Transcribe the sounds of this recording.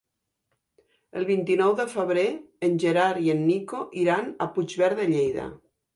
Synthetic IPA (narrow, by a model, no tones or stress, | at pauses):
elˠβ̞int̪inɔwðəfəβɾe | enʲʒeɾaɾienːikoʔiɾanapud͡ʒβɛɾðeʎejða̰